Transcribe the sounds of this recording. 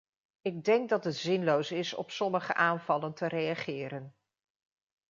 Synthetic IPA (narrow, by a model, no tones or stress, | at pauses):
ɪɡ̚dɛŋk̚dɑtɦətz̥ɪnlowsɪsɔ̰psɔməχə̰ʔaːnvɑləntərejɑχɪːɾən